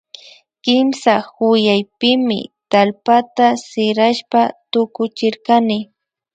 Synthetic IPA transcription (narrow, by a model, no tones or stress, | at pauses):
kɪmsahʊjajpɪmɪ̰t̪alpat̪asɪɾaʃpat̪ʊkʊt͡ʃɪɾkanɪ